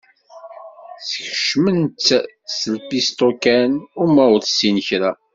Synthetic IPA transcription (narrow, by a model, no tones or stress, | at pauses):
θəçəʃməntː | səlpist̪okænʊɾmæwðsinçɾæ